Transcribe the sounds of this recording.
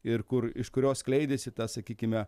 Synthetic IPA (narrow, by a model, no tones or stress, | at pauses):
ɪɾkʊɾɪʃkʊɾʲoːsklʲɛɪd̪ʲesʲɪt̪ɐsɐkʲiːkʲɪmʲɛ